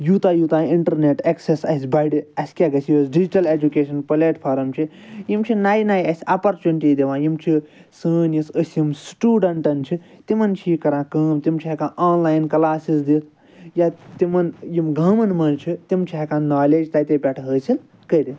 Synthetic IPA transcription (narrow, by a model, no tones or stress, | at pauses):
juːt̪ajut̪ãːiɳʈɐɾneʈeksesɐ̰sʲbaɖiɐsʲkʲaɡɐsjəsɖid͡ʒiʈɐled͡ʒukeːʃʰɐnpɐleʈpʰaːɾɐmt͡ʃʰijimt͡ʃʰinaːjnaːjɐsʲɐpɐɾt͡ʃuniʈid̪eʋãːjimt͡ʃʰi | səːnjisəsʲjimsʈuːɖɐɳʈɐnt͡ʃʰit̪imɐnt͡ʃʰikɐɾãːkəːmt̪imt͡ʃʰiɦekaʔaːnlaːjnkɐlaːsisd̪it̪ʰ | jat̪imɐnjimɡɐːmɐnmɐnt͡ʃʰit̪imt͡ʃʰiɦɐkãnaːleːd͡ʒt̪aːt̪epʲɐʈʰɦəːsʰil | kəjɾi